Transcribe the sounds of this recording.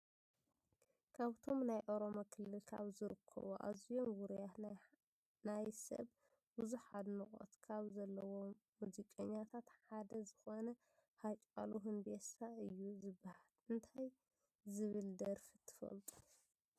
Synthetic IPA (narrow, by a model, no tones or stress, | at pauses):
kʰaβt̪ʰo̞mnajʔo̞ɾo̞mokʰɨlːɨlkʰa̰βzɨɾɨkʰːɐ̰βoʔa̰zijo̞mwuɾjat̪ | najsɐ̰β | buzuħad̪nɨkʼo̰t̪kʰaβzɐlːɐwo̞ | muzikʼɐɲːat̪ʰat̪ħad̪ɐzɨxonɐ | hat͡ʃʼa̰luɦɨnbesaɨjːuzɨbːahalɨnt̪ʰaj | zɨβɨld̪ɐɾfit̪ʰɨ̥fɐ̰lt̪ʼu̥